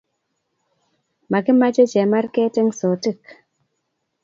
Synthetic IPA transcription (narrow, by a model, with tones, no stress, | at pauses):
ma˨ki˦ma˦d͡ʒe˦d͡ʒe˨ma˦ɾkɛ˦te˦ŋso˨ti˦˨k